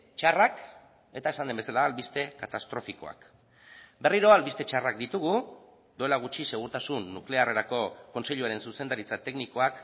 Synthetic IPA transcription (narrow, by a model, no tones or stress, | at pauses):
t͡ʃarak | e̞t̪ae̞sand̪e̞mbe̞salaːlβist̪e̞kat̪ast̪ɾo̞fiko̞̰a̰k | be̞riɾo̞alβist̪e̞t͡ʃarakd̪it̪uɣu | d̪ue̞laɣut͡ʃise̞ɣ̞uɾt̪asunːukle̞are̞ɾako̞ko̞nse̞ʎuaɾe̞nsuse̞nd̪aɾit͡sat̪e̞knikoak